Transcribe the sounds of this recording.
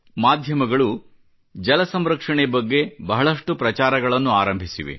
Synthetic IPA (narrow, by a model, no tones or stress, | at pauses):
maːd̪ʱjɐmɐɡɐɭu | d͡ʒɐlɐsɐmɾɐkʂɐɳebɐɡːe̞bɐɦɐɭɐʂʈupɾɐt͡ʃaːɾɐɡɐɭɐnːuaːɾɐmbʱisiʋḛ